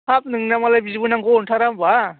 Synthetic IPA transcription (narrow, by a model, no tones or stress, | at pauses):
ap̚nɯŋnamalajbizbɯnaŋɡɔnʈʰaɾamba